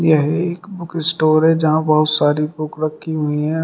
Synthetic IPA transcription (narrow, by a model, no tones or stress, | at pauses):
jəɦiɪkbʊkɪsʈoːɾɦɛ̃d͡ʒɐɦãbɐɦʊt̪saːɾipʊkɾɐkʰːiɦʊiɦɛ̃